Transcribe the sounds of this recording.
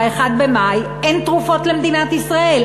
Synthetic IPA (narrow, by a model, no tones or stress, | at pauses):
eχad̪̚bemajʔent̪ʁufo̞t̪lemd̪inat̪isʁaʔe̞l